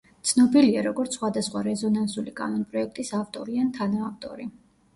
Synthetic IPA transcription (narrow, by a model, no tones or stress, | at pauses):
t̪sʰnɔbiliaɾɔɡɔɾt̪ssχwad̪asχwaɾɛzɔnansulikʼa̰nɔnpʼɾɔɛk̚ʰt̪ʼisaft̪ʼɔɾiant̪ʰanaːft̪ʼɔ̰ɾi